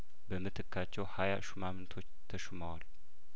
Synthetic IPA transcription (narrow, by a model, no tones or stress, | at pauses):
bəmɨt̪ʰɨkʰːat͡ʃːɛwhajaʃumamɨnt̪ʰot͡ʃt̪ʰəʃumawal